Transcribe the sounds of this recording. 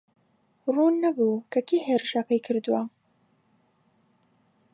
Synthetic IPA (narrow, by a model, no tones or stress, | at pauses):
ruːnːɐbuːkʰɐkʰiːheːɾɨʃɐkɐjkʰɨɾd̪uwɐ